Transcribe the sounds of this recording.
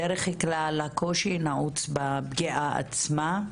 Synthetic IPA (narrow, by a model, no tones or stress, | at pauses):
eɾeχheklalakʰoʃinaʔut͡sbabɡiʔaa̰t͡sma